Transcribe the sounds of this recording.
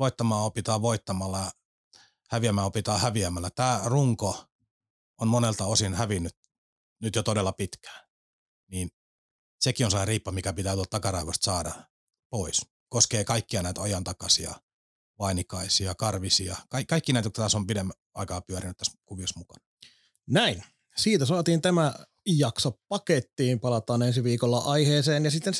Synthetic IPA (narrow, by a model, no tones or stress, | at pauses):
ʋoit̪ːɑmɑːopit̪ɑːʋoit̪ːɑmɑlːɑ | hæʋiæmæːopit̪ɑːhæʋiæmælːæt̪æːruŋko | onmonelt̪ɑosinhæʋinːyt̪ | nyt̪jot̪odelːɑpit̪kæ̥ː | niːn | sekionselːɑeriːpːɑmikæpit̪æːt̪uolt̪tɑkɑrɑiʋɑst̪sɑːdɑ | pois | koskeːkɑikːiɑnæˑit̪ɑjɑnt̪ɑkɑsiɑ̰ | ʋɑinikɑisiɑkɑrʋisiɑkɑikɑikːinæit̪okt̪t̪æsompidemːæ | ɑ̰ikɑːpyæɾinyt̪t̪æskuʋiɑsmukɑ̥̰nɑ | næin | siːt̪æsɑːt̪iːnt̪æmæ | jɑksoppɑket̪ːiːmpɑlɑt̪ɑːnensiʋiːkolːɑʔɑiheːseːnjɑsit̪ːen